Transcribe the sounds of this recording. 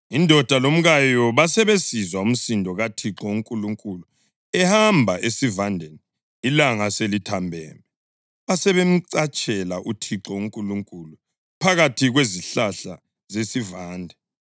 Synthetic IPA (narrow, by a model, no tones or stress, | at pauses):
indʱɔd̥ʱalom̩ɣajɔβasɛβesizwaum̩sindʱɔɣatʰiǁɔuŋkʼuluŋkʼulu | ɛhambʱaʔesivandʱeniː | laŋaselitʰambʱɛ̰ːmɛ | βasɛβem̩ǀat͡ʃʼɛlaʔutʰiǁɔuŋkʼuluŋkʼulu | pʰaɣatʰiɣweziɬaɬa̰ | zesivaːndʱɛ